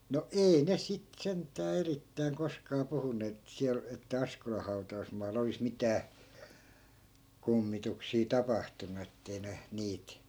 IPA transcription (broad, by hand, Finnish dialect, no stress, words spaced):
no ei ne sit sentˑæː eritːæiŋ koskɑː puhunːeːt et siæl etːæ ɑskolɑh̆ hɑu̞tɑusmɑːlˑɑ̆ olis mitæː kumːituksiː tɑpɑhtunu etːei ne niːt